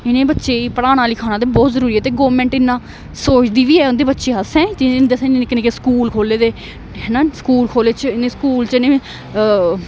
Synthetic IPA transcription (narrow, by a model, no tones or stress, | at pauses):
ɪnẽːbətːʃeːipəɽaːɽ̃ãːlikʰaːnaːd̪eːbɔːt̪zəɾuːɾiːɛːt̪eːɡoːʋmɛ̃ːɳʈɪnːãː | soːt͡ʃd̪iːʋiːɛːʊ̃nd̪eːbətːʃeːɦəsɛ̃ːt̪ɪd̪esẽneːnɪknẽkeskuːlkʰoːleːd̪eː | ɦɛːnãːskuːlkʰoːleːt͡ʃəɪnẽːskuːlt͡ʃɪnẽː